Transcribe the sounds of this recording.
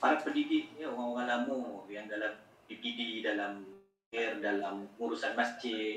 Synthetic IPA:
paɾat̪̚pəndidɪʔ̚ɲaoɣaŋoɣaŋlamujaŋdalah | biɡididalam | ɪrdalamuɾusanmasd͡ʒɪ

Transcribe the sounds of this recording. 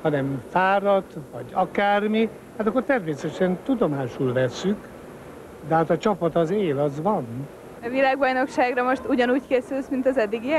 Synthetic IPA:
hɒnɛmfaːɾɒt̪ʋɒ̰ɟɒkaːrmi | hat̪ɒkːort̪ɛrmeːsɛt̪ɛʃɛnt̪ud̪o̞maːʃulvɛsːyk | d̪ɛɦaːt̪ɒt͡ʃɒpɒt̪ɒzeːlɒzʋɒn | ɛvilaːɡbɒjno̞kʃaːɡrɒmo̞ʃt̪uɟɒnuːckeːsylsmint̪ɒzɛd̪ːiɡiɛ

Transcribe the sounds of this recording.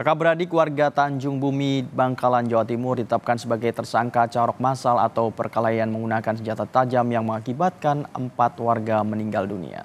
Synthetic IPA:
kakabəɾadikəwarɡat̪aɲd͡ʒʊŋbumibaŋkaland͡ʒawat̪imʊrdit̪ət̪ap̚kansəbaɡajt̪ərsaŋkat͡ʃaɾɔk̚masala̰t̪awpərkalajanməŋɡunakansəd͡ʒat̪at̪ad͡ʒamjaŋməŋakibat̪̚kanə̰mpat̪warɡaməniŋɡaldunḭa̰

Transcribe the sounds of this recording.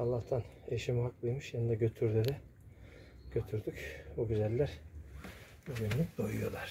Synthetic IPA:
ɑlˠːaht̪ʰan | eʃimiɦaklˠɯjmɯʃjanid̪aɟø̞t̪ʰyɾd̪ed̪ɛ | ɟ̥øt̪ʰyɾd̪ycbuɡyzælʲːæɾ | buɟynlʲyk̚ʲd̪ojṵjo̞lˠaɾ̥

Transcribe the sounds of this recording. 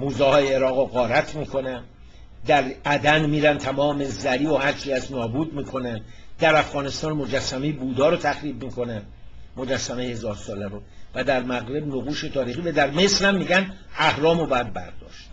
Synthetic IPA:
muːzɛːhɒːjeːɾɒːɣɔɣɒːɾæt̪ʰmiːkʰo̞næn | d̪æɾʔæd̪ænmiːɾænt̪ʰæmɒːme̞zæɾiːohæɾt͡ʃʰicæsnɒːbuːd̪miːkʰo̞nænd̪æɾæfɣɒːne̞st̪ɒːnmo̞d͡ʒæsːæmejbuːd̪ɒːɾot̪ʰæxɾiːbmiːkʰo̞næn | mod͡ʒæsːæmejhe̞zɒːɾsɒːlæɾovæd̪æɾmæɣɾe̞bnoɣuːʃet̪ʰɒːɾiːxiːvæd̪æɾme̞slæmːiːɟæn | æhɾɒːmobjæd̪̚bæ̰ɾd̪ɒ̰ːʃt̪

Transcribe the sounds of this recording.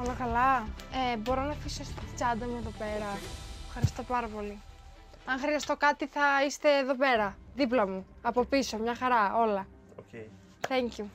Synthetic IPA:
olokɐlɐebo̞ɾo̞nɐfisost̪t̪i̥t͡sɐnd̪ɐmue̞ðo̞pe̞ɾɐfxɐɾist̪o̞pɐɾɐpo̞li | ɐŋxɾiɐst̪o̞kɐt̪iθɐist̪e̞ːðo̞pe̞ɾɐðip̬lɐmu | ɐpo̞piso̞mɲɐxɐɾɐo̞lɐ | θeɲcu

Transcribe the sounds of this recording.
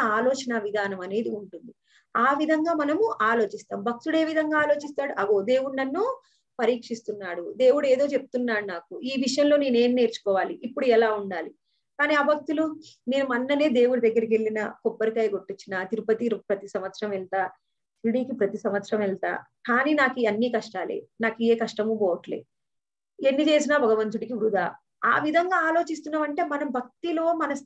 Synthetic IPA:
aːloːt͡ʃɐnɐʋid̪ʱaːnɐmɐne̞ːd̪iuɳʈund̪i | aːʋid̪ʱɐŋɡaːmɐnɐmuaːlo̞ːt͡ʃist̪a̰ːmbʱɐk̚t̪uɽe̞ːʋid̪ʱɐŋɡaːlo̞ːt͡ʃist̪aːɽuʔɐɡoːd̪e̞ːwuɳɖɐnːuː | pɐɾiːkʂist̪unːaːɽud̪e̞ːwuɽue̞ːd̪o̞ːt͡ʃep̚u̥t̪unːaːɽunaːkuiːʋiʂɐjɐmloːne̞ːne̞ːnne̞ːɾt͡ʃu̥kɔːʋaːliʔipːuɽuɛlaːuɳɖaːli | kaːniːɐːbʱɐk̚t̪uluneːnumɐnːɐneːd̪e̞ːwuɽud̪ɐɡːɐɾiɡe̞lːinɐ̰kɔpːɐɾikɐjɡo̞ʈːit͡ʃːinat̪iɾupɐt̪iɾpɾɐt̪isɐmʋɐt̪sɾɐmɛlt̪aː | sɾiɽiːkipɾɐt̪isɐmʋɐt̪sɾɐmɛlt̪a̰ːkaːniːnaːkiɐnːiːkɐʂʈaːlḛːnaːkieːkɐʂʈɐmuːbɔːʋɐʈlḛː | enːit͡ʃe̞ːs̬inabʱɐɡɐʋɐnt̪uɽikiʋɾud̪ʱaː | a̰ːʋid̪ʱɐŋɡaːaːlo̞ːt͡ʃis̬t̪unːaːmɐɳʈe̞ːmɐnɐmbʱɐk̚t̪ilo̞ːmɐnɐ

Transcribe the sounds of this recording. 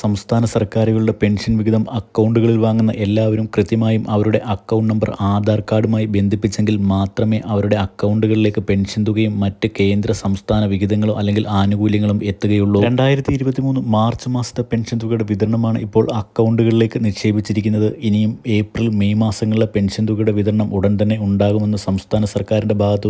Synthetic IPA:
sɐmst̪ʰaːnɐsɐrkaːɾuɣɐɭuɽe̞pe̞nʂɐnʋiɡid̪ɐmɐkːɐwɳɖuɣɐɭilʋaːŋːunːɐ̰ʔe̞lːaːʋɐɾumkrɨt̪jɐmaːjumʔɐʋɐɾuɽe̞̰ʔɐkːɐwɳɖnɐmbɐraːd̪ʱaːrkaːɽumaːjibe̞nd̪ʱipːit͡ɕːe̞ŋɡilmaːt̪rɐme̞ːʔɐʋɐɾuɽe̞ɐkːɐwɳɖuɣɐɭile̞ːkːɨpe̞ɳʂɐnd̪uɣɐjumːɐtːɨke̞ːnd̪ɾɐsɐmst̪ʰaːnɐʋiɣid̪ɐŋːɐɭuʔɐ̰lːe̞ŋɡilʔaːnuɣuːljɐŋːɐɭume̞t̪ːuɣɐjuɭːoːɾe̞ɳɖaːjiɾɐt̪ːiiɾubɐt̪ːimuːnːumaːrt͡ɕːɨmaːsɐt̪ːɐpe̞nʂɐnd̪uɣɐjuɽe̞ʋid̪ʱɐɾɐɳɐmaːɳɨ̰ipːo̞ːɭɐkːɐwɳɖuɣɐɭile̞ːkːɨniʂe̞ːbit͡ɕːiɾikʲːunːɐðɨʔinijume̞ːprilmejmaːsɐŋːɐɭiɭepe̞nʂɐnd̪uɣɐjuɽe̞ʋid̪ʱɐɾɐɳɐmʔuɽɐnt̪ɐnːe̞uɳɖaːɣume̞nːɨsɐmst̪ʰaːnɐsɐrkaːɾinde̞bʱaːɡɐt̪ːɨ

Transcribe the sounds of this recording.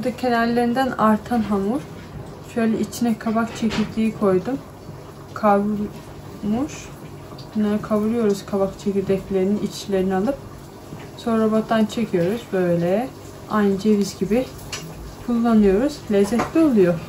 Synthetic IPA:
buɾd̪acʰe̞nælʲːe̞ɾind̪ænaɾt̪ʰanɦamuɾ̥ | ʃølʲɛʔit͡ʃʰinɛkʰabakt͡ʃʰe̞cʰiɾd̪ʰiːikʰo̞jd̪um | kʰav | muʃ | bunːˠaɾakʰaβuɾujo̞ɾuz̥kʰaβakt͡ʃʰeciɾd̪ɛclʲe̞ɾininit͡ʃʰlʲe̞ɾinialˠɯp̚ | so̞nɾabaant͡ʃʰe̞cʰijo̞ɾuzbøøjlʲɛ | ajnd͡ʒevizɟibi | kʰulˠːanɯjo̞ɾuz̥lʲɛzːɛt̪lʲio̞lˠujo

